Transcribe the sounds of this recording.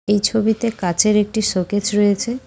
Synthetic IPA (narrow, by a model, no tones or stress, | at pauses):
ejt͡ɕʰobit̪ekat͡ɕʰeɾek̚ʈiʃoket͡ɕɾojet͡ɕʰe